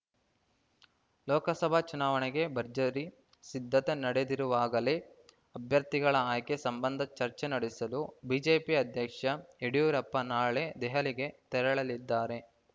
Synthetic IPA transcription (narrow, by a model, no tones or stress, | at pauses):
lɔːkɐsɐbʱat͡ʃunaːʋɐneɡe̞bʱɐɾd͡ʒɐɾi | sid̪ʱːɐt̪e̞nɐɽed̪iɾuʋaːɡɐle | ɐbʱjɐɾt̪iɡɐɭɐaːjkesɐmbɐnd̪ʱɐt͡ʃɐɾt͡ʃenɐɽisɐlubiːd͡ʒeːpiɐd̪ʱjɐkʂɐeɽijuɾɐpːɐnaːɭed̪ɛɦɐliɡe̞t̪ɛɾɐɭɐlid̪ːaːɾe̞